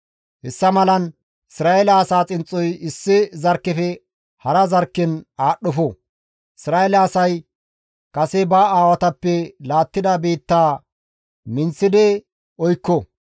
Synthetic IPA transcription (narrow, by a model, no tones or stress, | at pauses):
hɛsːɐmɐlɐn | ɪsɾaːʔelɐːsaːt͡sʼɪnt͡sʼːɔjɪsːɪzɐɾkːɛfɛ | hɐɾɐzɐɾkːɛnaːɗɔfɔ | ʔɪsɾaːelɐɐsɐj | kɐsɛbaːaːwɐt̪ɐpːɛlaːt̪ːɪd̪ɐbiːt̪ːaː | mɪnt͡sːɪd̪ɛ | ɔjkːɔ